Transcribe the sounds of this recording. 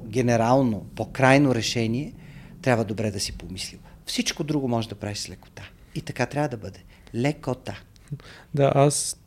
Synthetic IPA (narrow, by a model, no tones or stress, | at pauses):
ɡʲɛnɛɾalˠnopokɾajnoɾɛʃɛniɛt̪ɾʲabvəd̪obɾɛd̪ɐsipomislilˠfsit͡ʃkod̪ɾuɡomɔʒɛd̪ɐpɾavislɛko̥t̪a | it̪ɐkat̪ɾʲavəd̪ɐbɤd̪ɛ | lɛkot̪a | d̪aʔas